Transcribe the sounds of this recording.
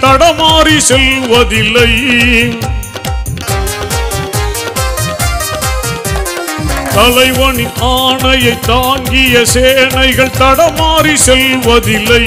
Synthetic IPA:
t̪ɐɽɐmaːɾisɛlʋɐðɪlːɐj | t̪ɐlɐɪʋɐɳiʔaːɳɐjɐɪt̪ːaːŋɡɪjɐseːnɐɪɣɐɭt̪ɐɽɐmaːɾisɛlʋɐðɪlːɐ

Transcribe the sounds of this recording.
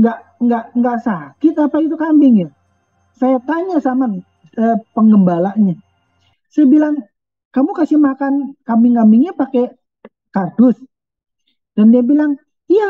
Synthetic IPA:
ŋɡaʔ | ŋɡaʔŋɡaʔsakɪt̪apait̪̬ukambɪŋja | sajat̪aɲasaman | əpəŋɡəmbalaɲa | sajabilaŋ | kamukasimakankambɪŋambɪŋɲapake | kardʊs | d̥andiabilaŋ | ija

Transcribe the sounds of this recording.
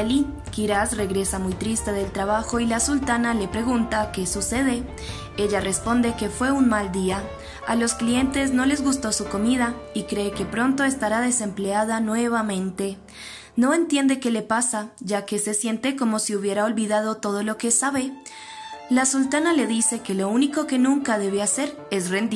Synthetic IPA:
ali | kiɾasre̞ɣɾe̞samujt̪ɾist̪e̞ðe̞lt̪ɾaβaxo̞ilasult̪anale̞pɾe̞ɣunt̪ake̞suse̞ðe̞ | e̞ʝare̞spo̞nd̪e̞ke̞fwe̞unmald̪ia | alo̞sklie̞nt̪e̞zno̞le̞zɣust̪o̞suko̞miðaikɾe̞ːke̞pɾo̞nt̪o̞est̪aɾaðe̞se̞mple̞aðanwe̞β̞amẽ̞nt̪e̞ | no̞e̞nt̪je̞nd̪e̞ke̞le̞pasaʝake̞se̞sje̞nt̪e̞ko̞mo̞siuβje̞ɾao̞lβiðað̞o̞t̪o̞ð̞o̞lo̞ke̞saβe̞ | lasult̪anale̞ðise̞ke̞lo̞uniko̞ke̞nũŋkaðe̞β̞e̞ase̞ɾ | esre̞nd̪i

